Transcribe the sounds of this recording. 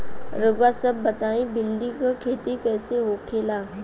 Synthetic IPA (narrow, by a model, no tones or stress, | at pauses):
ɾəɡwasəbːɐt̪aːĩbɪlɖ̪ikakʰeːt̪ikɛːseɦokʰeːlaː